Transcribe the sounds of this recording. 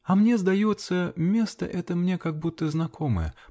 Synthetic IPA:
ɐmnʲɛzd̪ajɔt̪sːɐmʲɛst̪ɐ̰ʔɛt̪ɐmnʲɛkaɡ̚but̪ːəznakʰɔmə̰jɛ̰

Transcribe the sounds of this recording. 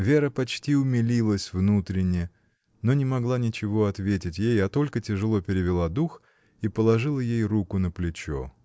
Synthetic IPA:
vʲe̞ɾəpɐt͡ɕtʲiʊmʲɪlʲilˠəsʲvnut̪ɾʲɪnʲːɪ | no̞nʲɪmɐɡlˠanʲɪt͡ɕɪvo̞ɐt̪vʲetʲɪtʲjejɐt̪o̞lʲkətʲɪʐɨlˠo̞pʲɪɾʲɪvʲɪlˠad̪ux | ipəlˠɐʐɨlˠəjejrukʊnəplʲɪt͡ɕo̰

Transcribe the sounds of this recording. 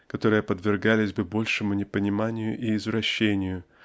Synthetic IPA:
kɐt̪o̞ɾɨjəpəd̪vʲɪrɡalʲɪzʲbɨbo̞lʲʂɨmʊnʲɪpənʲɪmanʲɪjʊ̰ʔiːzvɾɐɕːenʲɪjʊ

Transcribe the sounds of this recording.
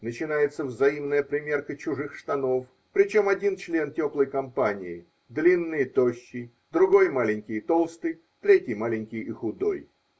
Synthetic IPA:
nət͡ɕɪnajɪt̪səvzɐimnəjəpɾʲɪmʲe̞rkət͡ɕʊʐɨxʂt̪ɐno̞f | pɾʲɪt͡ɕo̞mɐdʲint͡ɕlʲe̞ntʲo̞plˠəjkɐmpanʲɪ̰ɪ | d̪lʲinːɨjt̪o̞ɕːɪj | d̪ɾʊɡo̞jmalʲɪnʲkʲɪjt̪o̞lˠst̪ɨj | t̪ɾʲetʲɪjmalʲɪnʲkʲɪjɪxʊd̪o̞̰j

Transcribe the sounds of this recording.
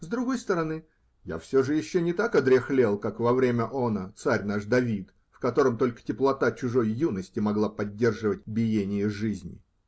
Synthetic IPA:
zd̪ɾʊɡo̞jst̪əɾɐnɨ | ja̰fsʲoʐɨjɪɕːonʲɪt̪akɐd̪ɾʲɪxlʲelˠkakvɐvɾʲemʲəʔonət̪saɾʲnaʐd̪ɐvʲit̪ | fkɐt̪o̞ɾəmt̪o̞lʲkə̥tʲɪplˠɐt̪at͡ɕʊʐo̞jːunəsʲtʲɪmɐɡlˠapɐdʲːe̞rʐɨvət̚ʲbʲɪjenʲɪjəʐɨzʲnʲɪ̰

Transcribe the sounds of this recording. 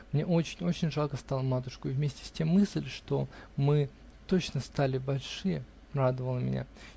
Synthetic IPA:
mnʲe̞ʔot͡ɕɪnʲo̞t͡ɕɪnʲʐalˠkəst̪alˠəmat̪ʊʂkʊivmʲesʲtʲɪ̥sʲtʲe̞mːɨsʲlʲʂt̪o̞mɨ | t̪o̞t͡ɕnəst̪alʲɪbɐlʲʂɨjə | rad̪əvəlˠəmʲɪ̰nʲa̰

